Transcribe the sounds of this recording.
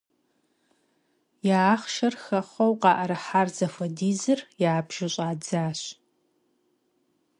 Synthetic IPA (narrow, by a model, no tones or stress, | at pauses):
jaχʃɐrxɐχʷɐwqʼɑːʔɐɾɨħaːrzɐfɐdiːzɨrjaːbʒ̥ɪɕʼaːd͡zaːɕ